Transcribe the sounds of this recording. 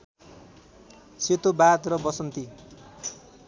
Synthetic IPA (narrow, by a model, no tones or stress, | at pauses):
set̪obat̪rʌbʌsʌnt̪i